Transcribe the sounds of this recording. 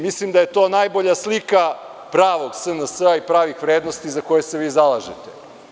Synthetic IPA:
mislimd̪aje̞t̪oːnajboʎaslika | pɾaːʋo̞ɡsənəsəaipɾaːʋixʋɾeːd̪no̞st̪izako̞jeseʋiːzalˠaʒḛt̪ḛ

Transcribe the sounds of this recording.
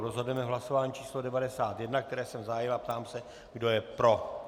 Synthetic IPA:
ɾozɦodujɛmɛɦlaso̞vaːɲiːt͡ʃiːslodɛvadɛsaːt̪jɛdnakt̪ɛɾɛːsɛmzaɦajɪlap̚t̪aːmsɛ | ɡdo̞jɛpɾo̞

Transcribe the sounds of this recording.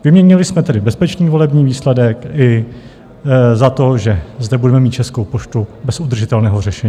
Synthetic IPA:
vɪmɲɛɲɪlɪsmɛt̪ɛdɪbɛspɛt͡ʃniːvo̞lɛbɲiːviːslɛdɛkɪ | zat̪o̞ʒɛzdɛbudɛmɛmiːt̪t͡ʃɛskowpoʃt̪ubɛsud̪r̩ʒɪt̪ɛlnɛːɦo̞rɛʃɛɲi

